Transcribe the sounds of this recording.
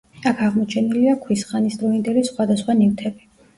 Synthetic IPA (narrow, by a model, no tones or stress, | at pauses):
akʰaʁmɔt͡ʃʰɛniliakʰwisχanisd̪ɾɔind̪ɛlisχwad̪asχwanivt̪ʰɛbi